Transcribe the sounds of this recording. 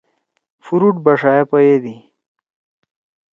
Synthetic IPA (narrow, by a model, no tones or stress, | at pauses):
fuɾuʈbɐʂaːepɐjed̪i